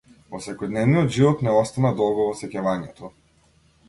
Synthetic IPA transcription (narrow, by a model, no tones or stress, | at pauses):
vɔsɛkɔjd̪nɛvniɔd̪ʒivɔt̪nɛɔst̪anad̪ɔlˠɡɔvɔsɛcavaɲɛt̪ʰɔ